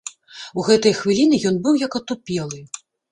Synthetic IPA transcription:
uɣɛt̪ɐjxvʲilʲinɨjɔnbɨwjɐkɐt̪upʲɛlˠɨ

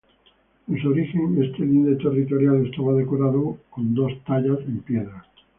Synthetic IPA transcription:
ensoɾixeŋest̪elind̪et̪e̞rit̪oɾjalest̪aβað̞ekoɾaðokond̪o̞st̪aʎasempjeðɾa

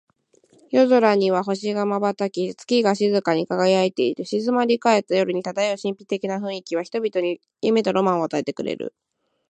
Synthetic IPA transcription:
jo̞zoɾaɲ̟iβ̞aɦo̞ɕiɡamabat̪akʲit͡sɨ̥kʲiɡaɕizɨkaɲ̟ikaɡajait̪e̞it̪e̞ɕizɨmaɾʲikae̞t̪ːajo̞ɾɯ̟ɲ̟it̪ad̪aeoɕĩmpʲi̥t̪e̞kʲinaɸɯ̟̃ɰ̃ikʲiβaçi̥t̪o̞bʲit̪o̞ɲ̟i | jɯme̞t̪aɾo̞mãɰ̃o̞at̪ae̞t̪e̞kɯ̟ɾe̞̰ɾɯ̰

